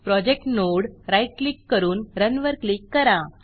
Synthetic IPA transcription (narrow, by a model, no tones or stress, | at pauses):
pɾɔd͡ʑek̚ʈnoɽɾajʈ̚klikːəɾuːnɾənʋəɾklikːəɾã